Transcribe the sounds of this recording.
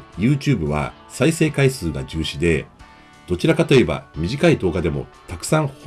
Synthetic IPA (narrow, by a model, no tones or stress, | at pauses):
jɯ̟ːt͡ɕɨːbɯ̟βa̰ | saise̞ːkaisɨːɡa̰ʑɨːɕid̪e̞ | d̪̥o̞t͡ɕiɾakat̪o̞e̞ba̰mʲiʑikaid̪o̞ːɡad̪e̞mo̞̰t̪akɯ̟̥sãɰ̃h